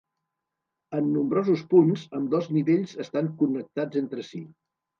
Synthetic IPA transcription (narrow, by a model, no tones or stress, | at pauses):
ənːumbɾɔzuspunzəmd̪ɔzniβeʎzəst̪aŋkunək̚t̪ad͡zent̪ɾəsi